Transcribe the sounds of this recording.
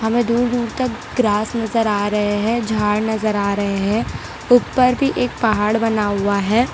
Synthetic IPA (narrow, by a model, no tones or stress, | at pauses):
ɦɐmẽd̪uːɾd̪uːɾt̪ɐk | ɡɾaːsnɐzəɾaːɾɐɦeɦɛ̃d͡ʒʱaːɽnɐzəɾaːɾɐɦeɦɛ̃ | ʊpːəɾbʱiʔeːk̚pɐɦaːɽbɐnaɦʊaɦɛː